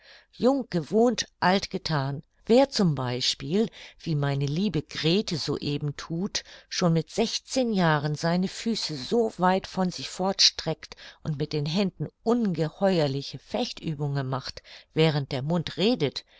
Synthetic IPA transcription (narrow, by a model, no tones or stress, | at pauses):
jʊŋɡ̥əvoːntʔaltɡ̥ətʰaːn | veːɐt͡sʊmbaɪʃpiːlv̥iːmaɪnəliːbəɡʁeːtəzo̰ːʔeːbm̩tʰuːtʃoːnmɪtz̥ɛçt͡seːnjaːʁənzaɪnəfyːsəzoːvaɪtfɔnzɪçfɔɐtʃtʁ̥ɛktʔʊntmɪt̚d̥eːnɦɛndn̩ʔʊnɡəhɔʏɐlɪçəfɛçtʔyːbʊŋənmaχtv̥ɛːʁ̞ənt̚d̥eːɐmʊntʁeːdət